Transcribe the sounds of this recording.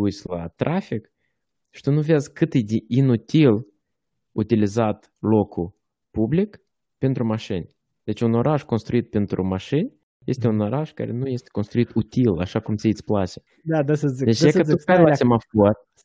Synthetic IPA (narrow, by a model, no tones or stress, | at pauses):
usʲla̰t̪ɾʔafik | ʃi̥t̪unuveazkɨt̪ɨjd̪eʔinut̪ʲil | ut̪ilizat̪ | lo̞kʰu | publik | pe̞nt̪ɾumaʃɨnʲ | d̪̥e̞t͡ʃuno̞ɾʔaʒko̞nst̪ɾuit̪̚pent̪ɾṵmaʃɨnʲ | je̞st̪e̞uno̞ɾaʒka̰ɾʔe̞nuje̞st̪ʲe̥konst̪ɾuit̪ut̪ʲila̰ʃakumt̪sʲiit̪sʲplasʲe | d̪ad̪asəd̪et͡ʃakət̪upalasʲemafor